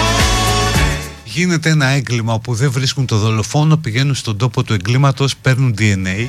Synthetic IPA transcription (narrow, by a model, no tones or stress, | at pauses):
ʝine̞t̪e̞enɐe̞ŋɡlimɐopuðe̞ɱvɾiskunt̪o̞ðo̞lo̞fo̞no̞piʝe̞nunst̪o̞nd̪o̞po̞t̪ue̞ŋɡlimɐt̪o̞spe̞ɾnund̪ie̞ne